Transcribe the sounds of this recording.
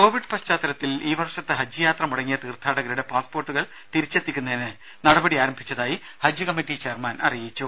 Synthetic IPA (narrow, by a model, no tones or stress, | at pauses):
ko̞ːʋiɖpɐɕt͡ɕaːt̪ːɐɾɐt̪ːiliːʋɐrʂɐt̪ːɨɦɐd͡ʑjɨjaːt̪rɐmuɽɐŋːijɐt̪iːrt̪ʰaːɽɐɣɐɾuɽe̞paːspo̞ːrʈːuɣɐɭ | t̪iɾit͡ɕːe̞t̪ːikʲːunːɐenɨ | nɐɽɐbɐɽiaːɾɐmbʱit͡ɕːɐðaːji | hɐd͡ʑjɨkɐmːiʈːit͡ɕe̞ːrmaːnɐ̰rijit͡ɕːu